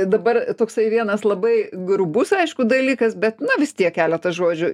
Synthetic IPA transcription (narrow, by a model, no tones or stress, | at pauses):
d̪ɐbɐrt̪oːksɐɪʋʲiɛnɐslˠɐbɐɪɡɾʊbʊsɐɪʃkʊd̪ɐlʲiːkɐsbʲɛtt̪nʊʋʲɪst̪ʲiɛkʲkʲæːlʲɛt̪ɐsʒoːd͡ʒʲʊ